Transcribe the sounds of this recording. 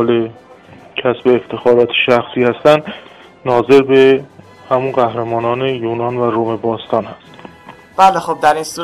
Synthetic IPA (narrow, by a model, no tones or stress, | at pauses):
le | cʰæsbeːft̪ʰe̞xɒːɾɒːt̪ʰe̥ʃæxsiːhæst̪ænd̪ | nɒːze̞ɾbe̞ | hæmunɢæhɾemɒːnɒːnejuːnɒːnvæɾomebɒːst̪ʰɒːnhæst̪ | b̥æːlexob̚d̪æɾinsu